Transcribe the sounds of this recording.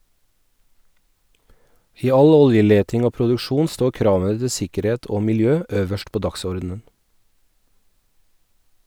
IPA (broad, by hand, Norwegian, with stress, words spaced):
ˈiː ˈɑl ˈɔljəˌleːtɪŋ ˈoː pɾʊdʉˈʃuːn ˈstoː ˈkɾɑːʋə ˈtɪ ˈsɪkəˌɾeːt ˈoː mɪlˈjøː ˈøːʋəʃt ˈpoː ˈdɑksɔɾdn̩ən